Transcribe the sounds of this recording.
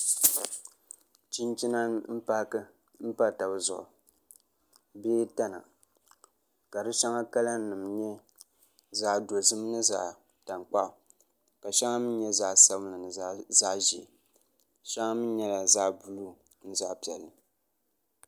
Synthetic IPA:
t͡ʃi˦nt͡ʃi˦na˦m̩˦pa˦kɨ˦ | m̩˦pa˦˨ta˨bɨ˨zʊ̰˨ʔʊ̰˨ | beː˦ta˦na̰˨ | ka˨dɨ˦ʃa˦ŋa˦ka˦la˦nɨ˨mɲɛ˦ | za˦ʔdo˨zɨ˦mnɨ˦za˨ | ta˨ŋk͡pa˦ʔʊ˨ | ka˨ʃa˦ŋa˦mɨ˦n˦ɲɛ˦za˦sa˦bnɨ˨nɨ˨za˦ʒi˨ | ʃa˦ŋa˦mɨ˦ɲɛ˦la˨zaː˦bu˨lu˦ | n̩˦za˦pi˨ɛ˨lːɨ˨

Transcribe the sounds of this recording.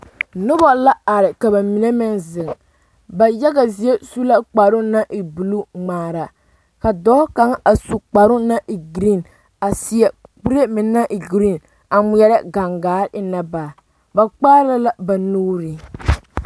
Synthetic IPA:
nʊ˦ba˦la˦a˨ɾɪ˨ka˨ba˨mi˨ne˦mɪ˦nzɪ˨ŋ | ba˨ja˦ɡa˨zi˨˦e˦su˦la˦k͡pa˨ɾʊ˦na˦ʔi˨bu˨lu˦ŋ͡maː˨ɾa˨ | ka˨dɔː˦ka˦ŋa˨su˨k͡pa˨ɾʊ˦na˦ʔi˨ɡɾi˦˨n | a˨si˨ɛ˨k͡pu˦ɾe˦mɪ˨na˦ʔi˨ɡɾi˦˨n | a˨mʊ˨jɛ˦ɾa˦ɡa˨ŋɡaː˨˦ɾɪ˦na˦baː˨ | ba˨k͡paː˦la˦la˦ba˨nuː˦ɾi˨

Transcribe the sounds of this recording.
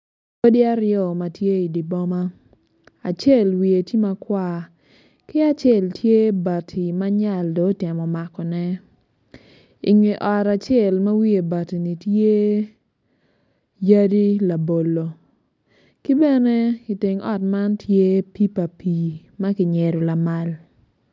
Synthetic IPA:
ko˦di˦a˦ɾjɔ˨ma˨tje˦i˨di˨bɔ˦ma˦ | a˨t͡ʃe˦˨lwi˨e˨ti˦ma˦kwa˦˨ | kɪ˦a˨t͡ʃɛ˦˨ltje˦ba˨tʰi˨ma˦ɲa˨ldo˨˦tɪ˨mɔ˨ma˨kɔ˨nɛ˦ | ḭ˨ŋwi˨ʔɔ˨ɾa˨t͡ʃjɛ˦˨lma˦wi˦e˨ba˨ti˨ni˨tje˦ | ja˦di˦la˨bo˨lo˨ | ki˦bɛ˦ne˦kɪ˨te˨ŋɔ˦tma˦ntje˦pi˦pa˨pʰi˨ | ma˦kɪ˨ɲɛ˨ɾo˨la˨ma˦l

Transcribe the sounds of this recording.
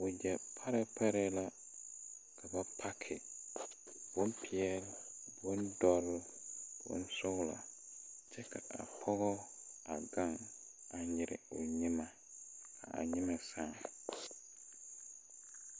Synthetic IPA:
wɔ˨d͡ʒɛ˨pʰa˦ɾɪ˦pʰa˦ɾɪ˦la˦ | kʰa˨ba˦pʰa˦kʰɪ˨ | bɔ̃˦m˦pʰi˨ɛ˦bɔ̃˦n˦dɔ˦ɾ | bɔ̰̃˦n̩˦sʊ˦wla̰˨ | d͡ʒɛ˦kʰa̰˨ʔa̰˨pʰɔ˦ɣɔ˦a˨ɡã˦n | a˨ɲɪ˨ɾɪ̰˨o˨ɲĩ˦mã˨ | a̰˨a̰˨ɲĩ˦mã˨sã˦˨

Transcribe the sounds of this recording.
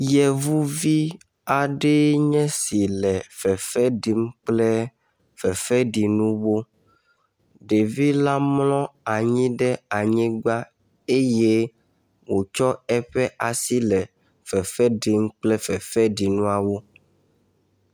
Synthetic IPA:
jɛ˨vu˦vi˦ | a˨ɖe˦ɲɛ̃˦si˨lɛ˨fɛ˨fɛ˦ɖi˨m˦k͡plɛ˦ | fɛ˨fɛ˦ɖi˨nũ˦wo˦ | ɖe˨vi˦la˦mlɔ̃˦a˨ɲĩ˦ɖɛ˦a˨ɲĩ˦ɡ͡ba˦ | e˦je˦ | wo˨t͡ʃɔ˦ɛ˦ɸɛ˦ʔa˨si˦lɛ˨ | fɛ˨fɛ˦ɖi˨m˦k͡plɛ˦fɛ˨fɛ˦ɖi˨nũ˦a˨wo˦

